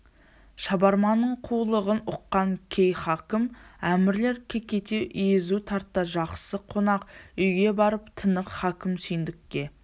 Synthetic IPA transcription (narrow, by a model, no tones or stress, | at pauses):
ʃɑbɑɾmɑnːəɴqʰulˠəʁənʊqːɑŋkʲʰe̞jχɑkʲɪmæmɪɾle̞ɾkʲʰe̞kʲe̞t̪e̞ʔʏjɪzut̪ʰɑɾt̪ːɑʒɑqsəqʰo̞nɑqʏjɡʲe̞bɑɾəpt̪ʰənəqχɑkʲɪmsʏjnd̪ɪkʲːe̞